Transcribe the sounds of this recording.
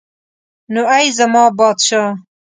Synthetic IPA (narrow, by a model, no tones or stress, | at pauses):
nuɐjzɐmɑːbɑːd̪ʃɑː